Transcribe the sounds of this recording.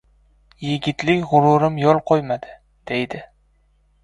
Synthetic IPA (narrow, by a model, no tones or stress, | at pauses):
jeɡʲɪt̪lɪkʲʁʊɾʊɾɪmjɒlˠqʰojmad̪ɪ̥ | d̪̥e̞jd̪ɪ